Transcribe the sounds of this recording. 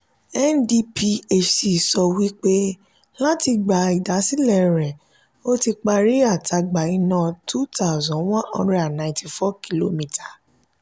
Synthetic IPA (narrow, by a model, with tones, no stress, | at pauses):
ɛ˦ndi˧pi˧e˦t͡ʃi˨sɔ˧wi˦k͡pe˦ | la˦ti˧ɡ͡ba˨i˨da˨˦si˦lɛ˦˨ɾɛ˨ | o˦ti˧k͡pa˧ɾi˦a˦˨tʰa˧ɡ͡ba˨i˧nã˨tʰu˦ta˦u˨zɔ̃˨˦wã˦ʔɔ̰̃˧ɾa˦˨nã˨ĩ˨ti˧˨fɔ˦ki˦lo˦mĩ˧tʰa˨